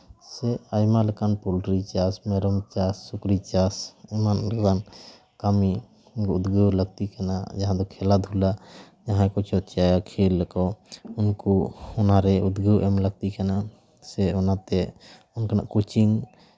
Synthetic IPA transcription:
sɛajmalɛkanpulɾit͡ʃasmɛɾɔmt͡ʃasːukɾit͡ʃasɛmanlɛkan | kami | ud̪ɡəwləɡ̚t̪ikana̰d͡ʒaɦãd̪ɔkʰɛlad̪ʱula | d͡ʒaɦãkɔt͡ʃɔt̪t͡ʃajakʰelːɛkɔunkɔɔnaɾɛud̪ɡəwʔɛmləɡ̚t̪ikana | sɛɔnat̪ɛ | ɔnkanaʔkot͡ʃiŋ

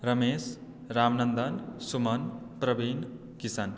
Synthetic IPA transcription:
ɾəmeːs | ɾaːmnənd̪ənsumɐnpɾəbin | kisan

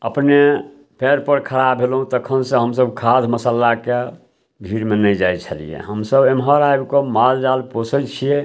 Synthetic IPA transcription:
əpne | pʰɛɾpəɾkʰəɾabʱelɦũt̪əkʰənsẽɦəmsəbkʰad̪ʱməsəlake | bʱiɾmenəjd͡ʒajt͡ʃʰəlḭjḛɦəmsəbemɦəɾajbkomald͡ʒalposʰət͡ʃʰie

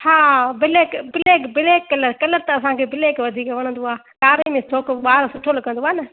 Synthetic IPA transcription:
haːbɪleːkbɪleːkbɪleːkːɐləɾkɐləɾt̪ɐɐs̬ãkʰeːbɪleːkʋɐd̪ʱiːkʋɐɽ̃ə̃nd̪oaː | kaːɾemẽsʰoːkʋaːɾsʊʈʰoːlkɐ̃nd̪oaːnɐ

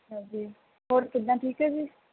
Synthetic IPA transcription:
ɦãːd͡ʒiː | ɦoːɾkɪd̪ãːʈʰiːkɦɛːd͡ʒiː

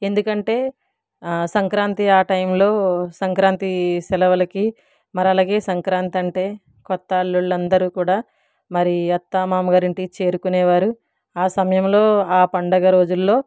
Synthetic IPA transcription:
e̞nd̪ukɐɳʈe̞ː | sɐŋkɾaːnt̪iaːʈɐjmlo̞ːsɐŋkɾaːnt̪isɛlɐʋɐlɐki | mɐɾɐlaːɡe̞ːsɐŋkɾaːnt̪ɐɳʈe̞ː | kɔt̪ːɐɐɭːuɭːɐnd̪ɐɾuːkuːɽaː | mɐɾiɐt̪ːaːmaːmɐɡaːɾiɳʈit͡ʃe̞ːɾukunɛːʋaːɾu | aːsɐmɐjɐmlo̞ːaːpɐɳɖɐɡɐɾo̞ːd͡ʒulːo̞ː

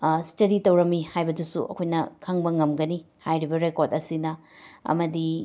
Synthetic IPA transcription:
stɐditɐwɾɐmːihajbɐdusṵʔɐ̰kʰojnɐkʰaŋbɐŋɐmɡɐni | hajɾibɐɾekoɾtɐsinɐɐ̰mɐdi

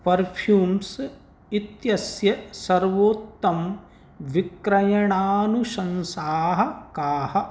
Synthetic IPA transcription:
pɐɾpʰjuːms | it̪jɐsjɐsɐɾʋoːt̪ːɐm | ʋikɾɐjɐɳaːnuʃɐ̃nsaːɦɐ̆kaːhɐ̆

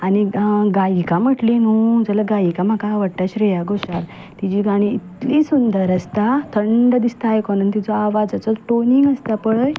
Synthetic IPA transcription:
aniɡajikam̤əʈlinud͡zəlaɡajikam̤akaʋəɽʈaɕɾɛjaɡoɕaɾ | t̪id͡ʑiɡaɽ̃iit̪lisund̪əɾəst̪at̪ʰəɳɖd̪ist̪aːjkɔnanit̪id͡zɔaʋad͡zat͡sɔʈoniŋɡəst̪apəɭəj

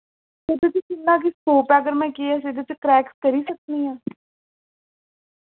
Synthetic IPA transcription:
seːd̪et͡ʃt͡ʃɪnːãːk̬iskoːpɛːəɡəɾmɛ̃ːkeːɛs̬eːd̪et͡ʃkɾɛːkskəɾiːsək̚niːãː

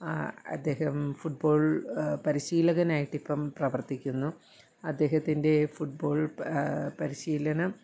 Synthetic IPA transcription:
ɐ̰d̪ːe̞ːhɐmfuʈ̚bo̞ːɭpɐɾiɕiːlɐɣɐnaːjiʈːipːɐmprɐʋɐrt̪ikʲːunːu | ɐd̪ːe̞ːɦɐt̪ːinde̞fuʈ̚bo̞ːɭ | pɐɾiɕiːlɐnɐm

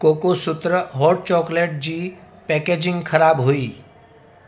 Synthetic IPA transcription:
koːkosʊt̪ɾəɦɔːʈ̚t͡ʃɔːkleːʈ̚d͡ʒiː | pɛːkeːd͡ʒɪ̃ŋɡkʰɐɾaːbɦoiː

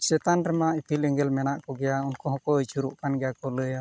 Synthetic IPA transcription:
sɛt̪anɾɛmaipʰilɛŋɡɛlmɛnaʔkɔɡɛjaunkɔɦɔ̃kɔjt͡ʃuɾṵʔkanɡɛjakɔləja

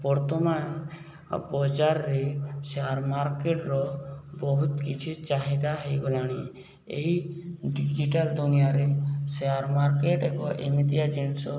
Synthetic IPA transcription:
bɔɾt̪ɔman | bɔd͡ʒaɾːeseaɾmaɾkeʈɾɔbɔɦut̪kit͡ʃʰit͡ʃaɦid̪aɦejɡɔlaɽ̃i | ḛɦiɖid͡ʒiʈald̪unijaɾeseaɾmaɾkeʈekɔʔemit̪iad͡ʒeɳsɔ

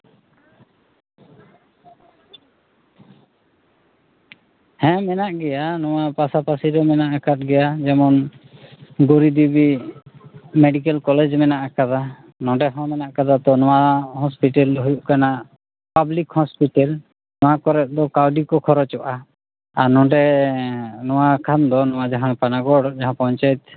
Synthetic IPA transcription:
hɛ̃mɛnaʔɡɛjanɔwapasapasiɾɔmɛnaʔakat̪̚ɡɛjad͡ʒɛmɔn | ɡoɾid̪ibi | mɛɖikɛlkɔlɛd͡ʒmɛnaʔakad̪a | nɔ̃ɖɛɦɔ̃mɛnaʔkad̪at̪ɔnɔ̃waɦɔspiʈɛlɦujuʔkana | pablikhɔspiʈɛl | nɔ̃wakɔɾɛt̪̚d̪ɔkawɖikɔkʰɔɾɔt͡ʃɔʔa | aɾnɔ̃ɖɛ | nɔwakʰand̪ɔnɔwad͡ʒaɦãpanaɡɔɽd͡ʒaɦãpɔɲt͡ʃajɛt̪̚

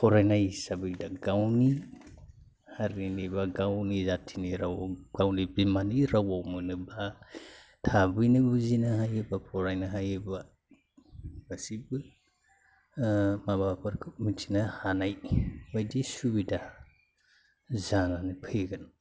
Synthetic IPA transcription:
pʰɔɾajnajsabɯjdaɡawni | haɾiniβaɡawnizatʰiniɾawɡ̥awnibimaniɾawawmɯnɯba | tʰabɯjnibuzinaɦajebapʰɔɾajnaɦajeba | basibɯ | mabapaɾkʰɯpmitʰinahanajbajdisubida | zananipʰeɡan

